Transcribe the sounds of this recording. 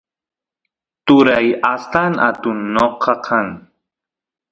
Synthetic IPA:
t̪ʊɾajast̪ana̰t̪ʊnːoqʰɑkʰaŋ

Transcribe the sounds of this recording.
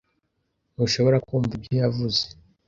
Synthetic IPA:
nuʃo̞βo̞ɾakuːmvubijavuze

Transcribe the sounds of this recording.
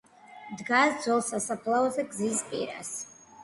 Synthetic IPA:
dɡazd͡zolˠsasapʰlawazaɡʼzizpʼḭɾa̰s

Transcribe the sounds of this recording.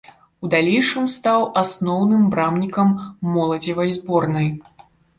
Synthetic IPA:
ud̪alʲejʂɨmst̪awasnɔwnɨmbɾamnʲikɐmːɔlˠɐd͡zʲivɐjzbɔrnɐj

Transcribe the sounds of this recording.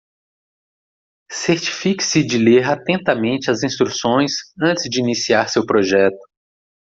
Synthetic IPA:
seɾt͡ʃi̥fiki̥sɪd͡ʒɪleɾat̪ẽnt̪ɐmẽnt͡ʃɪɐzĩst̪ɾusõj̃sɐ̃nt͡ʃ̪ɪzd͡ʒɪinisiaɾsewpɾoʒɛt̪ʊ̥

